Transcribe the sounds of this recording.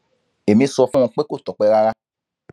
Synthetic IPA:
e˨mĩ˧˦sɔ˧fũ˦ũ˧k͡pe˦ko˦˨tɔ˨k͡pɛ˨˧ɾa˧ɾa˧

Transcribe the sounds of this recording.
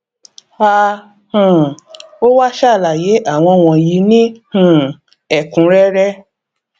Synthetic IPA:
a˦˧ | hũ˨o˦wa˦ʃa˦˨la˨je˨˦ʔa˦˨w̃ɔ̃˧w̃ɔ̃˨ji˨˦nĩ˦hũ˨ | ɛ˦˨kũ˨˦ɾɛ˦ɾɛ˦

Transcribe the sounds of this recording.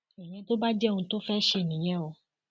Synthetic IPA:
e˨ɲɛ̃˦t̪o˦ba˦d͡ʒɛ˦˨ŋũ˧t̪o˦fɛ˦ʃe˧nĩ˨ɲɛ̃˦o˨

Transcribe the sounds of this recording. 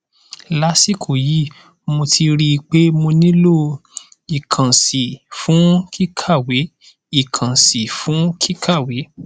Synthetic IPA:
la˦si˦˨kʰo˨ji˦ | mo˧tʰi˧ɾi˦˧k͡pe˦mo˧nĩ˦lo˦˨ | i˨kʰã˨si˨fũ˨˦ki˦kʰa˦˨we˨˦ | i˨kʰã˨si˨fũ˨˦kʰi˦kʰa˦˨we˨˦

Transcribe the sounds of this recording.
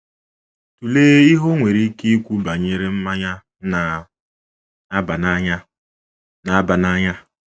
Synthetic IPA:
tu˨leː˦i˦ɦo˦ŋʷe˨ɾi˦ke˦i˦kʷu˦ba˨ɲe˦ɾe˦m̩˦ma˦ɲa˦ | na˨ | a˦ba˨na˦ɲa˦ | na˨a˦ba˨na˦ɲa˦

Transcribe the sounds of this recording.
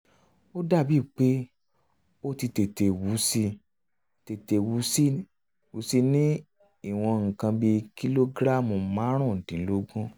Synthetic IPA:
o˦da˦˨bi˦˨k͡pe˦ | o˦ti˧te˨te˨wu˨˦si˧ | te˨te˨wu˨˦si˦ | wu˨˦si˦nĩ˦ | i˦˨w̃ɔ̃˧ŋ̩˨kã˧bi˧ki˦lo˦ɡɾa˦˨mũ˨mã˨˦ɾ̃ũ˦˨n̩˨tĩ˨n̩˦lo˦ɡũ˦

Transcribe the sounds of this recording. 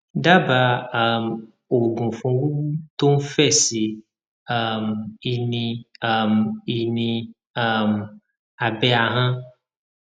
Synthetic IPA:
da˦ba˧a˨m | o˨ɡũ˨fũ˨wu˦u˦t̪o˦m̩˦fɛ˦˨si˨ | a˦˨mi˨nĩ˧a˦˨mi˨nĩ˧ | a˦˨m | a˨bɛ˦a˨ɦã˦

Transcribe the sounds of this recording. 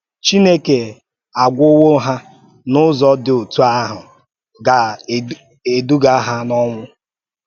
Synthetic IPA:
t͡ʃi˦ne˦ke˨ | a˨ɡʷʊ˦wo˦ɦa˦ | nʊ˦zɔ˦dɪ˨o˨tu˦a˦ɦʊ˨ | ɡa˨ | e˨du˦ɡa˦ɦa˦nɔ˦ŋʷʊ˦

